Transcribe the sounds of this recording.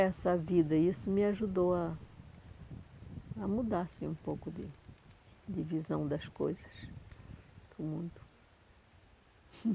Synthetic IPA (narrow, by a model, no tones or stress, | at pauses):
ɛsɐvid̪ɐisʊmɪaʒud̪owɐ | mud̪asĩũpowkʊd̪ɪ | d̪ɪvizɐ̃w̃d̪ɐskojzɐs | pʊmũd̪ʊ